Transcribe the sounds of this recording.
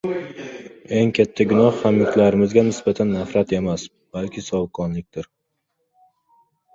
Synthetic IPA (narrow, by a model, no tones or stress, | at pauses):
e̞ŋkʲʰat̪ʰːaɡʲʊnɒhːamɪk̪ʲlaɾɪmɪzɡʲanɪsbat̪ʰanːafɾat̪ʰe̞mas | b̥alkʲʰɪsɒwkʰɒnlɪk̚ʲt̪ɪɾ